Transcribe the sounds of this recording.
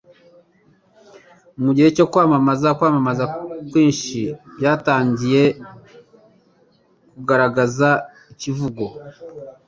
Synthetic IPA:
muɟihe̞co̞kwaːmamazakwaːmamazakwiːnʃibjaːtaːɲɟije̞ | kuɡaɾaɡaza | icivuɡo̞

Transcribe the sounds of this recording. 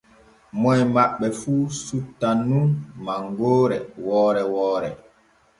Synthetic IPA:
mɔjmaɓːɛfuːsutːanunmaŋɡoːɾɛwɔːɾɛwɔːɾɛ

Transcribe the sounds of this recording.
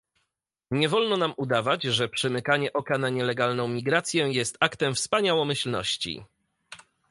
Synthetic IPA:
ɲɛvɔlnɔnamud̪avad͡ʑʐɛpʂɛmɘkaɲɛʔɔkanaɲɛlɛɡalnɔ̃w̃mʲiɡɾat̪sʲjɛjɛst̪akt̪ɛmfspaɲawɔmɘɕlnɔ̰ɕt͡ɕḭ

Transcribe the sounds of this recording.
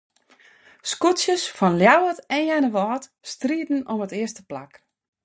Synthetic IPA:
skutsjəsfɔnljawətɛnjɛnəʋɔːt | striːdn̩ɔmətɪəstəpla̰k

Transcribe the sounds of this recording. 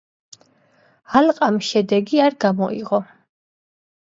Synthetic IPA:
alqʼamʃɛd̪ɛɡiaɾɡamɔ̰ḭʁɔ

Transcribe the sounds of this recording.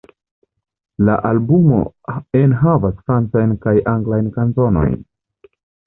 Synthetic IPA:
la̰ʔalbumo̞̰enɦavasfɾant͡sajnkajʔaŋɡlajnkanzo̞no̞̰jn

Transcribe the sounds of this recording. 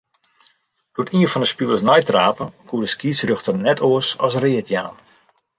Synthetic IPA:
d̥oətiəfɔndəspilˠəsnɔjtraːpəkʰuədəskiːsrøxtərnɛtʰoəsɔ̰srɪətʰja̰ːn

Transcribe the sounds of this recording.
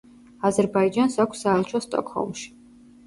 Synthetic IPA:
azɛɾbaid͡ʒansakʷʰsːaɛlˠt͡ʃʰɔst̪ʼɔ̰kʰhɔ̰lˠmʃi̥

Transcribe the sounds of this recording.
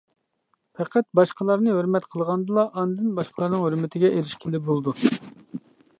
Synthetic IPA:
pʰɛqʰæt̪̚bɑʃqəlˠɑɾnɨɦøɾmɛt̪qʰəlˠʁɑnd̪ɨlˠɑʔɑnd̪ɨnbɑʃqʰəlˠɑɾnɨŋhøɾmɪt̪ʰɪɡʲɛʔeɾɪʃkʲʰelɪbolˠd̪u

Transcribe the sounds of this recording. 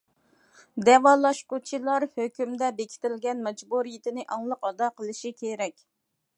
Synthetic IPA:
d̪ɛwɑlˠɑʃqot͡ʃʰilˠɑɾhøkʲymd̪ɛbekʲʰɪ̥t̪ɪlɡʲɛnmɛd͡ʒbuɾijit̪ɪnɪʔɑŋlˠəqɑd̪ɑqʰəlˠɨʃikʲʰeɾɛkʲ

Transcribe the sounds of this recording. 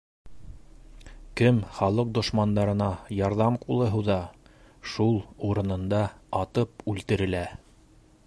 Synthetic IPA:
kɘmχɑlˠɤq̚d̪ŏʃmɑnd̪ɑɾɤ̆nɑjɑɾðɑmqulˠɤ̆ɦɤðɑ | ʃulˠuɾɤ̆nɤ̆nd̪ɑɑt̪ɤpʉlt̪ɘ̆ɾɘ̆læ

